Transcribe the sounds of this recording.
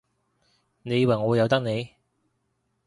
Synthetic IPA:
ne˨˧jwɐ˨jŋɔː˨˧˨jɐ˨˧wt̪ɐ˥k̚ne˨˧j

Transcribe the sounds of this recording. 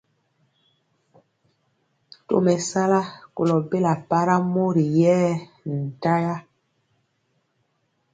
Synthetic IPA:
to̰˦˨mɛ˨sa˦la˦ko˨lɔ˨be˦la˨pa˦ɾa˦mo˦ɾi˨jɛː˦ | n̩˨ta˦ja˦

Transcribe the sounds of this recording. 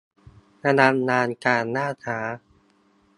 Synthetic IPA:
na˧na˧mnaː˧nkaː˧nːaː˥˩aː˩˦

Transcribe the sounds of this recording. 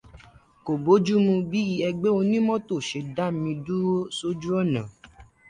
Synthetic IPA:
ko˨bo˨˦d͡ʒu˦mũ˧bi˦ji˧˦ɛ˧ɡ͡be˦o˧nĩ˦mɔ̃˦to˦˨ʃe˧da˦mĩ˧du˦o˦so˦d͡ʒu˦ɔ˦˨nã˨

